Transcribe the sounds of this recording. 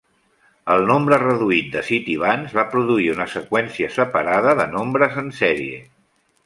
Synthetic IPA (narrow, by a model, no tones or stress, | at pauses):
əlˠnombɾərəðuit̪̚d̪əsit̪iβ̞anzβapɾuðuiunəsəkwɛnsiəsəpəɾaðəðənombɾəzənsɛɾiḛ